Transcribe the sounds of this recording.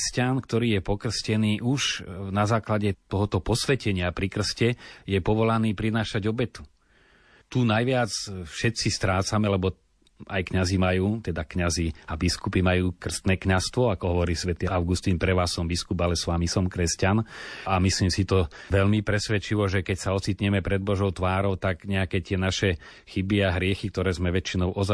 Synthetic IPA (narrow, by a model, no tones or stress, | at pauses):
scankt̪ɔɾiːjɛpɔkr̩scɛniːʔuʒnazaːklaɟɛt̪ɔɦɔt̪ɔpɔsʋɛcɛɲɪapɾikr̩scɛjɛpɔʋɔlaniːpɾinaːʃaɟɔbɛt̪u̥ | t̪unajʋɪat͡sfʃɛt̪t͡sist̪ɾaːt͡samɛlɛbɔ | ajkɲazimajuːt̪ɛd̪akɲaziabiskupimajuːkr̩st̪nɛːkɲast̪ʋɔakɔɦɔʋɔɾiːsʋɛt̪iːaʊɡust̪inpɾɛʋaːsɔmbiskubalɛsʋamisɔmkɾɛscanamisliːmsit̪ɔʋɛlmipɾɛsʋɛt͡ʃiʋɔʒɛkɛcsaɔt͡sit̪ɲɛmɛpɾɛd̪̚bɔʒɔʊt̪ʋaːɾɔʊt̪aɡɲɛakɛt̪ɪɛnaʃɛ | xibiaɦɾɪɛxik̚t̪ɔɾɛːzmɛʋɛt͡ʃinɔʊʔɔz